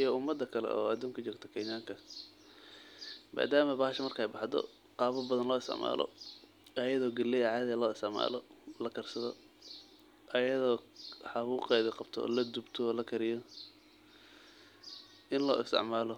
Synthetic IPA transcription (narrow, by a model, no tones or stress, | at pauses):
ijɔʊmːɐd̪ːɐkʰɐlɛ̰ʔɔ̰ːɐd̪uːŋkʰɐt͡ʃɔːɡt̪ʰɔ̥kʰɛnaːŋkʰɐ | mʔa̰ːd̪aːmɐbaːɦɐʃɐmɐrkʰɐɛjbɑħd̪ɔ̰ | qɑːβɐbɐðɐnlɔːɪst̪ʰɪ̰ʕma̰ːlʔɔ̰ | ɐjɐðɔːɡɐlːɛjʕɑːðɛlɔːɪst̪ɪʕma̰ːlɔlɐkʰɐrsɐðɔ | ʔɐjɐðɔːħɑβuːqɛːðɐqɑb̥t̪ʰɔ̰lɐd̪ubt̪ʰɔlɐkʰɐɾɪjɔ | ʔɪnlɔːɪst̪ʰɪ̰ʕmaːlɔ